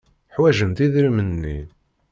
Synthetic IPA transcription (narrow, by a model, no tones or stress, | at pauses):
ħwæʒənt̪iðɾimənːḭ